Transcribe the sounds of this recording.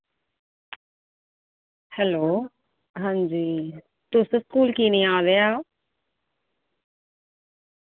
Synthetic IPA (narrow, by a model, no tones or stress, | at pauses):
hɛloː | ɦãːɲd͡ʑiː | t̪useskuːlkiːnĩãːʋeao